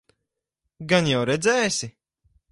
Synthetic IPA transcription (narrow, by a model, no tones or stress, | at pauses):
ɡanjawɾɛd̪zʲɛːsʲi